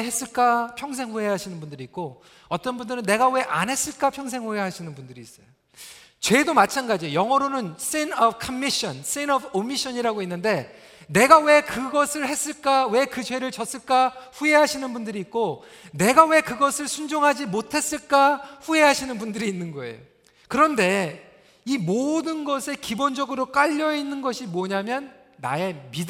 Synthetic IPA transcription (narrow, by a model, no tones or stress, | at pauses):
ɦe̞s͈ɯɭk͈apʰjʌŋs̬ʰe̞ŋɦueɦaɕʰinɯnbundɯɾiːt̚k͈o | ʌt͈ʌnbundɯɾɯnːe̞ɡawe̞ʔa̰nɦe̞s͈ɯɭk͈apʰjʌŋs̬ʰe̞ŋhueɦaɕʰinɯnbundɯɾiːs͈ʌjo | t͡ɕwe̞domat͡ɕʰanɡad͡ʑiojʌŋʌɾonɯns͈enʌbkʰʌmːiɕʌns͈enʌbomiɕ͈ʰʌɲiɾaɡoinːɯnde̞ | ne̞ɡawe̞kɯɡʌsʰɯɭhes͈ɯɭk͈awe̞kɯt͡ɕwe̞ɾɯɭt͡ɕʌs͈ɯɭk͈aɸue̞ɦaɕʰinɯnbundɯɾiːk̚k͈o | ne̞ɡawe̞kɯɡʌsʰɯɭsʰund͡ʑoŋɦad͡ʑimotʰe̞s͈ɯɭk͈aɸue̞ɦaɕʰinɯnbundɯɾiːnːɯnɡʌe̞̰jo | kɯɾʌnde̞ | imodɯnɡʌsʰe̞kibond͡ʑʌɡɯɾok͈aʎːʌinːɯnɡʌɕʰimwʌɲamjʌnː | a̰e̞mi